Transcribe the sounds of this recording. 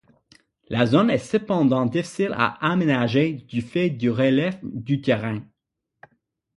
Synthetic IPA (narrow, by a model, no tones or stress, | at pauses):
lazonɛsəpɑ̃d̪ɑ̃d̪ifi̥sila̰amenaʒed̪yfɛd̪yʁelɛfd̪yt̪ɛʁɛ̃